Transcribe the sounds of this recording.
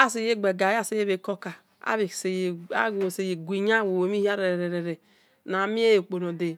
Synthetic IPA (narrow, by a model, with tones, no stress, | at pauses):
a˦si˨je˦ɡ͡be˨ɡa˨ja˦˨se˨je˦βe˨ko˦ka˨ | a̰˦βe˨se˨ja˦˨se˨je˨ɡʷi˨ɲa˦˨wo˨wo˨mi˦hi˦a˦ɾe˨ɾe˨ɾe˨ɾe˨ɾe˨ | na˨mi˦e˦je˨k͡po˨no˨de˨